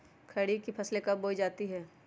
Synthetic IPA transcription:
kʰɐɽikipʰɐslekɐboːid͡ʒaːt̪iɦɛː

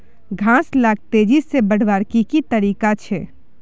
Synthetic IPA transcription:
ɡʱãslaɡ̚t̪ed͡ʒisebəɽ̤ʋaɾkikit̪əɾiːkat͡ʃʰɛ

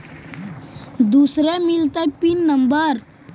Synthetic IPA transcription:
d̪usɾɛmilt̪apinːəmbəɾ

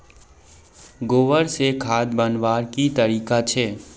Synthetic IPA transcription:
ɡoːʋəɾsekʰaːd̪bənʋaːɾkit̪əɾiːkat͡ʃʰeː

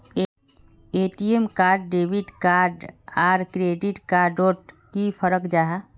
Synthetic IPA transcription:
eʈiemkaːɾɖːeːbiʈkaːɾɖaːɾkɾeɖiʈkaɖoʈ | kipʰəɾəkd͡ʒaːɦa

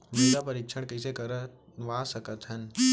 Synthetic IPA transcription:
mʊd̪apɐɾiːkʃʰəɽ̃kɐsekɐɾ | ʋaːsɐkət̪ɦənɪ̆

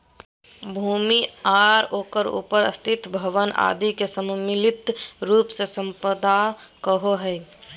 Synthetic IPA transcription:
bʱuːmiaːɾoːkəɾṵːpəɾə̰st̪ʰɪt̪bʱɐʋəna̰ːd̪ikesəmmɪlɪt̪ɾuːpsesə̃mpəd̪akəɦoɦɛ

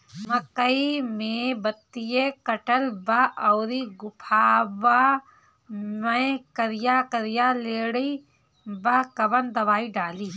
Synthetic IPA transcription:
mɐkəimẽbɐt̪ːijekɐʈəlbaʔɐwɾiɡʊpʰaːʋa | mɐjkɐɾɪjakɐɾɪjaleːɽəi | bakɐbənd̪ɐʋaːiɖaːliː

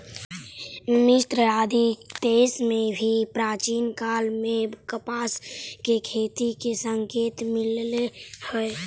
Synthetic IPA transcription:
mɪst̪ɾəaːd̪ʱid̪eːsmẽbʱipɾaːt͡ʃiːnkaːlmẽkəpaːskekʰeːt̪ikesəŋkeːt̪mɪllehəe

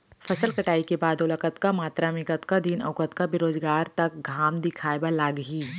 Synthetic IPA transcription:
fɐsəlkɐʈaːikebaːd̪ʊləkət̪kamaːt̪ɾamɪkət̪kad̪iːnɐ̰ʋkət̪kabɪɾoːzɡaːɾt̪ɐk̚ɡʱaːmd̪ɪkʰaːebalaːɡɦiː

